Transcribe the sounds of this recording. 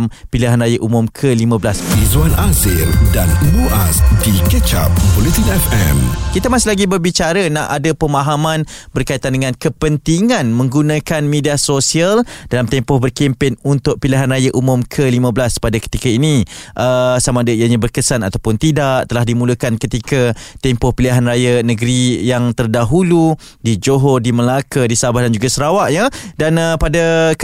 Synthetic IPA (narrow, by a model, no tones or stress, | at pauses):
m | piliɦanrajaʔumʊmkʰəlimãbəlasizuanasɪldanumuasdikət͡ʃa̰p̚polit̪ikɛfɛmkit̪amasɪlaɡibərbit͡ʃaɾənaʔadəpəmãɦamãnbərkait̪andəŋãnkəpənt̪iŋãnmə̃ŋɡunakanmediasosiald̥alamt̪ɛmpɔhbərkimpɪnunt̪ʊʔ̚piliɦanrajaʔumʊmkʰəlimãbəlaspadakə̥t̪ikainiʔəsamaːdəijaɲabərkəsanat̪awpʊnt̪idaʔt̪əlahdimuləkankət̪ikat̪ɛmpɔhpiliaɦanrajanəɡəɾijaŋt̪ərdaɦulu | did͡ʒoɦɔdiməlakədisabahdand͡ʒuɡasəɾawaʔɲadanəpada